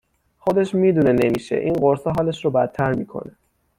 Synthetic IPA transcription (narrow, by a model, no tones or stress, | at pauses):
χo̞d̪e̞ʃmiːd̪une̞ne̞miːʃe̞̰ʔiːnɢoɾsɒɦɒːleʃɾobæt̪ʰːæɾmiːkʰo̞̰ne